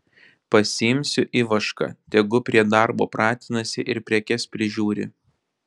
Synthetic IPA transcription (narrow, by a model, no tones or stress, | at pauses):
pɐsʲɪɪmʲsʲʊʔiːʋɐʃkɐ̰t̪ʲɛɡʊpʲɾʲiɛd̪ɐɾbo̰ːpɾɑːt̪ʲɪnɐsʲɪʔɪɾpʲɾʲɛkʲɛspʲɾʲɪʒʲuːɾʲɪ̰